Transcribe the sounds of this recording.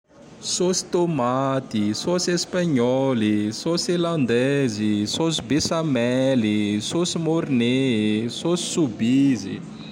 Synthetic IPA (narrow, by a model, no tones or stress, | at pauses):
sosi̥t̪omat̪isosiespaɲɔlisosilãnd̪ɛzisosibesamɛlisosimoɾnesosi̥subizḭ